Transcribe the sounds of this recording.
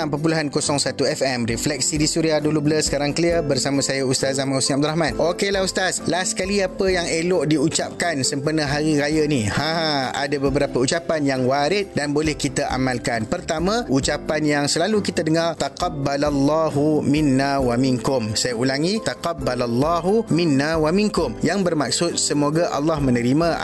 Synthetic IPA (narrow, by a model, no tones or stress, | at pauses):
pəp̬ulaɦankosɔŋsat̪uɛfɛmɾiflɛk̚sidisuɾiadulubələsə̥kaɾaŋkəliərbərsamãsajaust̪as̬amãusĩab̚d̪ʊɾahɦmãnʔokelahust̪aslahsə̥kaliapəjaŋelɔʔdiut͡ʃap̚kansəmpərnəɦaɾiɾajənihãɦãa̰dabəbəɾapəut͡ʃapanjaŋwaɾɪt̪̚danbolɛhkit̪aʔa̰malkanpərt̪amãut͡ʃapanjaŋsəlalukit̪adəŋart̪aqɑbːalalːɑɦuminːawamiŋkʊmsajaulaŋit̪aqɑbːalalːɑɦuminːawamiŋkʊmjaŋbərmak̚sʊt̪̚səmoɡaʔɑ̰lːɑhmə̃nəɾimã̰